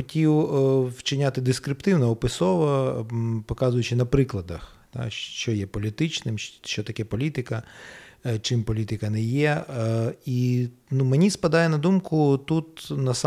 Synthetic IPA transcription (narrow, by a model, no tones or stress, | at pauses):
ɔtʲiwwt͡ʃɪnʲat̪ɪd̪ɪskɾɪpt̪ɪwnɐɔpɪsɔʋɐ | pɔkɑzʊjʊt͡ʃɪnɐpɾɪklˠɐd̪ɐx | t̪ɑ̰t͡ʃɔjɛpɔlʲit̪ɪt͡ʃnɪmʃt͡ʃɔt̪ɐkʲɛpɔlʲit̪ɪkɐ | t͡ʃɪmpɔlʲit̪ɪkɐnɛjɛ | inumenʲispɐd̪ɑjɛnɐd̪umkʊt̪ut̪nɐs